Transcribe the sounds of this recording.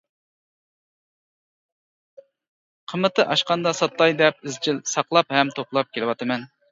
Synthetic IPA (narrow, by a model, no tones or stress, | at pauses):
qʰəmɨt̪ɨʔɑʃqɑnd̪ɑsɑt̪lˠɑjd̪ɛp̚ɪzd͡ʒilsɑqlˠɑphɛmt̪ʰoplˠɑp̚kʲʰelɪwɑt̪ɨmɛn